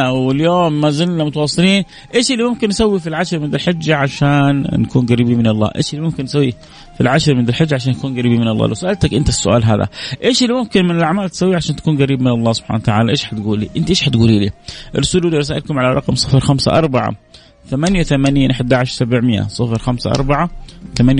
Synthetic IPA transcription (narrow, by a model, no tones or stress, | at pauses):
wɪljoːmːazɪlnamʊt̪ɑwɑsˤːɨliːn | ʔeːʃɪlːimʊmkɪnːsawːifilʕaʃɾmɪnd̪ɪlħad͡ʒːaʕaʃaːnːakuːnɡaɾiːbimɪnɑlˤːɑ̰ːʔḛːʃɪlːimʊmkɪnːsawːi | filʕaʃɾmɪnd̪ɪlħad͡ʒːaʕaʃ̬aːnːakuːnɡaɾiːbimɪnɑlˤːɑ̰ːlʔawsʊʔalt̪akʔɪnt̪asːʊʔaːlɦa̰ːða̰ʔeːʃɪlːimʊmkɪnmɪnɪlʔaʕmaːlt̪ɪ̥sawːiʕaʃaːnt̪ḁkuːnɡaɾiːbmɪnɑlˤːɑːsʊb̥ħa̰ːnawt̪aʕaːlaʔeːʃħat̪ɡuːlːḭʔɪnt̪ʔeːʃħat̪ɡuːliːlḭːʔɾˤːʊsuːlʔulːiɾɑsaːʔɪlkʊmʕalaɾˤɑqmsˤɨfɾxamsa̰ʔɑ̰ɾˤbaʕa̰ | θamanjawθamanaːnʔaħɪd̪aʕaʃɾsabʕmɪjːa̰sˤɨfɾxamsa̰ʔɑ̰ɾˤbaʕat̪amanj